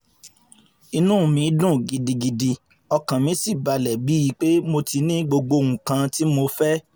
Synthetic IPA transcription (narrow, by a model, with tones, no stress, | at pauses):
i˧nũ˦˨mĩ˨˦dũ˦˨ɡi˨di˧ɡi˨di˧ | ɔ˧kã˨mĩ˨˦si˦˨ba˧lɛ˨bi˨˦ji˧˦k͡pe˦mo˧ti˧nĩ˦ɡ͡bo˧ɡ͡bo˧ŋũ˨kã˧ti˦mo˧fɛ˦